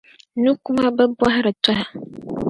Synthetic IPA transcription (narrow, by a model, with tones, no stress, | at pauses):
nũ˦ku˦mã˦bɛ˦bʊ˦a˦ɦa˦ɾɛ˨tʰa˦ha˨